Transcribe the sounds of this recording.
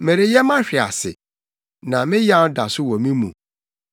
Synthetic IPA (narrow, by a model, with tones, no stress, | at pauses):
me˨ɾɪ˨jɛ˦mã˦ɕᶣɪ˨a̰˨sɪ˨ | nã˨mɪ̃˦ja˦da˨sʊ˦wɔ̃˨mĩ˦mṵ̃˨